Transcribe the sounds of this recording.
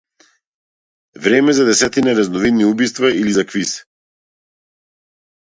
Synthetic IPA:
vɾɛmɛzad̪ɛsɛt̪inaɾɛznɔvid̪niubist̪vailizakvisɛ̥

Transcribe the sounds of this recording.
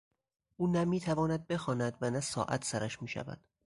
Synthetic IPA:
ʔuːnæmiːt̪ʰævɒːnæd̪̚be̞xɒːnæd̪vænæsɒ̰ːʔæ̰t̪ʰsæɾæʃmiːʃæ̰væ̰d̪̥

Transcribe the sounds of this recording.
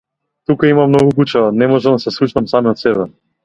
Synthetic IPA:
t̪ukaimamnɔɡukut͡ʃɛvanɛmɔʒɛmd̪asɛslˠut͡ʃnamsamiɔt̪sɛbɛ

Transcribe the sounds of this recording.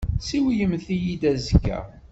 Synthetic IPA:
siwjəmθijid̪æzkːæ̰

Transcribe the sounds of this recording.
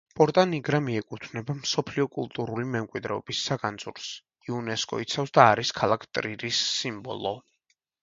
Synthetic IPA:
pʼɔɾt̪ʼaniɡɾamiɛkʼut̪ʰnɛbamsɔpʰliɔkʼulˠt̪ʼuɾulimɛmkʼwid̪ɾɛɔb̥isːaɡand̪zʼuɾs | iunɛskʼɔ̰it̪sʰafsd̪aːɾiskʰalˠakʰt̪ʼɾiɾisːimbɔ̰lˠɔ

